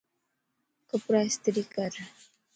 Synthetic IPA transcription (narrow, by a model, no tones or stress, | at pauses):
kəpɾast̪ɾikaɾ